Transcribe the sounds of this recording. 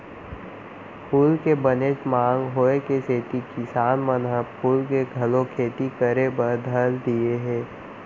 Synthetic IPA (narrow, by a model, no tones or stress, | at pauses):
pʰuːlkebənet͡ʃmãːŋɡɦoːekeseːt̪ikɪsaːnmənɦəpuːlkeɡʱəlõkʰeːt̪ikəɾebəɾd̪ʱəld̪ieɦɛ̃ː